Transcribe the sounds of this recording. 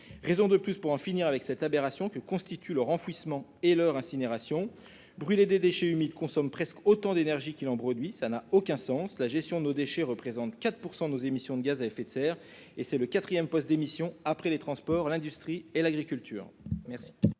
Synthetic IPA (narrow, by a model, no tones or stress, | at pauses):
ʁezɔ̃d̪əplyspuʁɑ̃finiʁavɛksɛt̪abeʁasjɔ̃kəkɔ̃st̪it̪ʰylœʁɑ̃fɥismɑ̃elœʁɛ̃sineʁasjɔ̃ | bʁyled̪ed̪eʃɛymid̪kɔ̃sɔmpχɛskot̪ɑ̃d̪enɛʁʒikʲilɑ̃pχɔd̪ɥisanaokʲɛ̃sɑ̃slaʒɛst̪jɔ̃d̪ənod̪eʃɛʁəpχezɑ̃t̪kat̪χpuʁsɑ̃d̪ənozemisjɔ̃d̪əɡazaɛfet̪sɛːʁ | esɛləkat̪χijɛmpɔst̪̚d̪emisjɔ̃apχɛlet̪χɑ̃spɔʁlɛ̃d̪yst̪χielaɡʁikʲylt̪ʰy̰ːʁmɛʁsi̥